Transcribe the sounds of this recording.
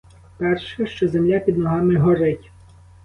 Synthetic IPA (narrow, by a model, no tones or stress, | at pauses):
pɛrʃɛʃt͡ʃɔzemlʲapʲid̪nɔɦɑmɪɦɔɾɪtʲ